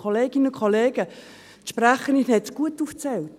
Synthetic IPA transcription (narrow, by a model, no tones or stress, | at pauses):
oleːɡɪnəʊkʰoleːɡ̥ə | ʃpraχəninhɛtt͡sɡ̥uətuːft͡sɛlt